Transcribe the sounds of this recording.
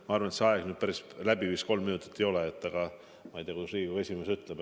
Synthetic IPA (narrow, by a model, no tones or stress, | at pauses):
mɑɑrvɑnet̪seɑeɡ̥nyːd̥̪pæɾislæbivist̪ko̞lmːinut̪ːˑi̥t̪ːe̞jo̞leet̪ːˑɑɡ̥ɑ | mɑejt̪iːɑkusriːɡe̞sʲimesyt̪ːˑleb